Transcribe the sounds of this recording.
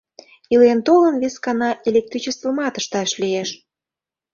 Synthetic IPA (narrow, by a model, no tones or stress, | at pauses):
ilent̪olənβeskɑnɑʔelʲek̚t̪ɾit͡ɕest̪vomɑt̪ə̥ʃt̪ɑʃlieʃ